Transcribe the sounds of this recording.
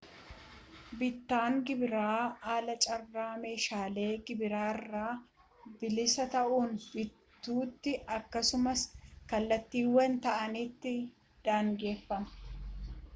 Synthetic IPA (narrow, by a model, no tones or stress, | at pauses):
bɪt̪ːaːŋɡɪbɪɾaːaːlɐt͡ʃʼɐrːaːme̞ːʃaːle̞ːɡɪbɪɾaːrːaː | bɪlɪsɐt̪ɐʔuːnbɪtt̪ːuːt̪ːɪɐkːɐsʊmɐskɐlːɐt̪ːiːwɐnt̪ɐʔɐnɪt̪ːɪ | d̪̥aːŋɡe̞ːfːɐmɐ̥